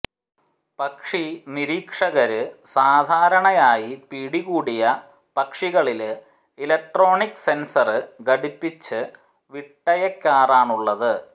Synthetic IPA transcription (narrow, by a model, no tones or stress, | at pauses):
pɐkʂiniɾiːkʂɐɣɐɾɨsaːd̪ʱaːɾɐɳɐjaːjipiːɽiɣuːɽijɐ | pɐkʂiɣɐɭil | ilɐk̚ʈro̞ːɳikːse̞nsɐrɨɡɐɽipːit͡ɕːɨ | ʋiʈːɐjɐkːaːraːɳuɭːɐðɨ